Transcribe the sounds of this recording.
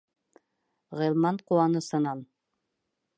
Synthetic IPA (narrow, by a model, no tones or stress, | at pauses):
ʁɤ̆jlˠmɑɴquwɑnɤsɤ̆nɑn